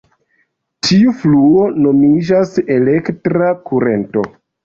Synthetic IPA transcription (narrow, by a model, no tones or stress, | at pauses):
tʰiufluo̞no̞mid͡ʒase̞le̞ktɾakuɾe̞̰nto̞̰